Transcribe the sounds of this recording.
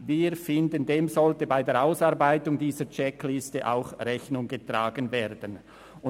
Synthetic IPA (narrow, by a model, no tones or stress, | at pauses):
viːɾfɪndəndeːmzɔltəbaɪdeːʔaʊsɑːʁbaɪtʊŋdiːzət͡ʃɛklɪstəʔa̰ʊxrɛçnʊŋɡətʁaːɡənveːɐdən | ʊ